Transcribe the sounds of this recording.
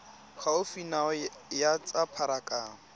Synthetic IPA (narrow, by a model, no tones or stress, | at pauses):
χaʊfinaɔjat͡sʼapʰaɾakʼaːŋ̩